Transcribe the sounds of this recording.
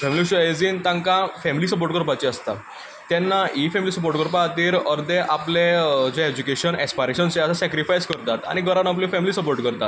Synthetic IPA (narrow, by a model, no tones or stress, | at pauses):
fɛmliɕuad͡ziːnt̪ãŋkãfɛmilisəp̬oɾʈkəɾpat͡ɕiəst̪a | t̪ɛnːaifɛmilisəp̬oɾʈkəɾpaːt̪iːɾəɾd̪eʔapled͡zeed͡ʑukeɕənɛkspaɾeɕənseəsasɛkɾifajskəɾt̪at̪a̰ñiɡʱəɾanap̬lĩfɛmilisəpoɾʈkəɾt̪a̰t̪̚